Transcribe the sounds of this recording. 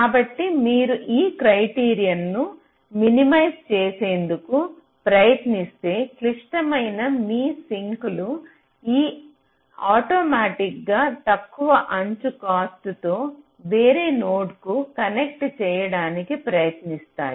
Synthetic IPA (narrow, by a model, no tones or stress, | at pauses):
kaːbɐʈːimiːɾuʔiːkɾɐjʈiːɾijɐnːu | minimɐjst͡ʃeːse̞ːnd̪uku | pɾɐjɐt̪nist̪e̞ːkliʂʈɐmɐjnɐmiːsiŋkulu | iː | aːʈoːmaːʈikɡaːt̪ɐkːuʋɐʔɐɲt͡ʃukaːst̪ut̪o̞ː | ʋeːɾeːnoːɖkukɐnek̚ʈt͡ʃɛːjɐɽaːnikipɾɐjɐt̪nist̪a̰ːji